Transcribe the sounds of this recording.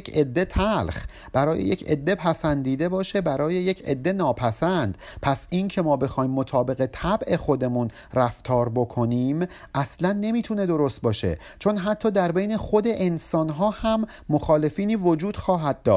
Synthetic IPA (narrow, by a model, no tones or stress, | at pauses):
kʰed̪ːe̞t̪ʰælx | b̥æɾɒːjejecʰḛd̪ːe̞pʰæsænd̪iːd̪e̞bɒːʃe̞bæɾɒːje̞je̞cʰḛd̪ːe̞nɒːpʰæsænd̪̥pʰæsʔincʰe̞mɒːbe̞xɒːjmːo̞t̪ʰɒːbe̞ɣe̞t̪ʰæbʔe̞xo̞d̪e̞mun | ræft̪ʰɒːɾbo̞kʰo̞niːm | ʔæslænːe̞miːt̪ʰune̞d̪o̞ɾo̞st̪̚bɒːʃe̞̰ | t͡ʃʰo̞nɦæt̪ʰːɒːd̪æɾbe̞jne̞xo̞d̪e̞ʔensɒːnɦɒːhæmː | oxɒːle̞fiːniːvod͡ʒuːd̪̥xɒːɦæd̪̥̚ːɒːʃ